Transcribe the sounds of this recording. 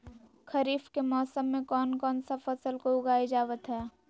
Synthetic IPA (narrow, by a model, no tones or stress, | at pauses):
kʰɐɾiːfkemɔːsəmːẽkɔːnkɔːnsafɐsəlkoʊɡaːid͡ʒaːʋət̪ɦɛː